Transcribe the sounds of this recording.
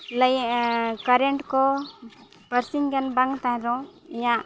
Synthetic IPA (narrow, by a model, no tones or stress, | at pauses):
ləjkaɾɛɳʈkɔ | pəɾsiŋɡɛnbaŋt̪ãɦɛ̃d̪ɔ̃iɲaʔ